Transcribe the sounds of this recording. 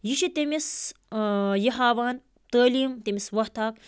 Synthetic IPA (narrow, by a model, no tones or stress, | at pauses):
jiʃit̪emis | jiɦaːʋaːn | t̪əːliːmt̪emiswɐht̪ʰaːk̚